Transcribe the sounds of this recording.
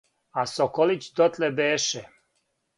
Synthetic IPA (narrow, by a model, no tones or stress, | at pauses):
asokolit͡ɕd̪ot̪lebeːʃɛ